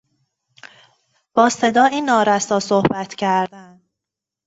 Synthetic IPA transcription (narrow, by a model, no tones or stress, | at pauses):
b̥ɒːse̞d̪ɒːinːɒːɾæsɒːsohbæt̪ʰcʰæɾd̪ænd̪